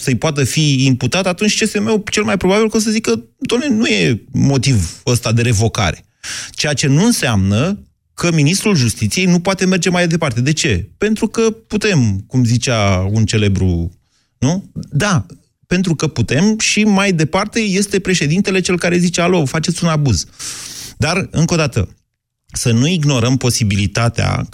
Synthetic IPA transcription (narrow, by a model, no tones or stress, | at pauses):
səjpoat̪əfiːmput̪at̪at̪unt͡ʃʲest̪eme̞wt͡ʃe̞lmajpɾo̞babilko̞s̬əzikəd̪omnenuje̞mo̞t̪ivəst̪ad̪e̞ɾe̞vo̞ka̰ɾe̞̥ | t͡ʃejat͡ʃe̞nuɨnsamnə | kʰəminist̪ɾulʒust̪it̪sije̞jnupoat̪e̞me̞rd͡ʒe̞majd̪e̞part̪e̞d̪e̞t͡ʃe̞pe̞nt̪ɾukəput̪e̞mkumzit͡ʃaunt͡ʃe̞le̞bɾṵ | nud̪a | pe̞nt̪ɾukəput̪e̞mʃimajd̪e̞part̪e̞je̞st̪e̞pɾe̞ʃe̞d̪int̪e̞le̞t͡ʃe̞lkaɾe̞zit͡ʃealo̞fat͡ʃet̪sʲunabuz̥ | d̪arɨŋko̞d̪at̪ə̰ | sənuiɡno̞ɾəmpo̞sibilit̪at̪ea̰